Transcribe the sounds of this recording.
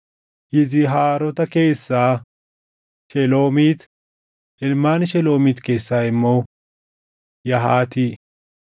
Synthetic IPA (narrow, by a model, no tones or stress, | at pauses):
jɪzɪɦaːɾɔt̪ɐke̞ːsːaː | ʃɛlo̞ːmiːt̪ | ɪlmaːnʃɛlo̞ːmiːt̪ke̞ːsːaːɪmːoː | jɐɦaːt̪iː